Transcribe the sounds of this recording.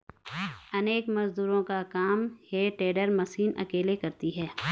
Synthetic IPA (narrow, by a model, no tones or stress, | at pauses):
ɐneːkmɐzd̪uːɾõkakaːmheʈeːɖəɾmɐsiːnʔɐ̰keːlekɐɾt̪iɦɛː